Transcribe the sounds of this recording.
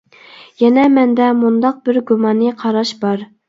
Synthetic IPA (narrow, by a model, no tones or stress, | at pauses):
jɛnɛmɛnd̪ɛmund̪ɑq̚bɪɾɡumɑnɨqʰɑɾɑʃbɑɾ